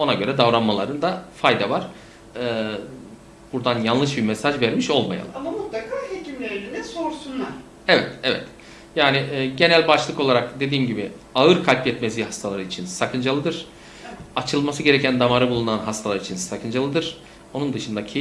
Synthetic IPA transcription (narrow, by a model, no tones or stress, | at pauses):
o̞naɟøɾɛd̪avɾanmalˠaɾɯnd̪afajd̪avaɾ̥ | ɯː | b̥uɾd̪anjanlˠɯʃbiɾmɛsaʒvɛɾmiʃo̞lˠma̰ja̰amamut̪lˠakʰaːɦecimlʲeɾininɛso̞ɾsunlˠaɾ̥ | ɛvɛt̪ɛvɛ̰t̪ | jaːnɪːɟe̞nælʲbat͡ʃlˠɯkolˠaɾakd̪e̞d̪iːmɟibɪ | aɯɾkʰalʲpɛt̪mezʲiːɦast̪ʰalˠaɾɯit͡ʃʰinsakʰɯnd͡ʒalˠɯd̪ɯɾ̥ | at͡ʃʰɯlˠmasɯɡɟe̞ɾɛcʰænd̪amaɾɯbulˠunanɦast̪ʰalˠaɾit͡ʃʰinsakʰɯnd͡ʒalˠɯd̪ɯɾ̥ | onund̪ɯʃɯnd̪acʰi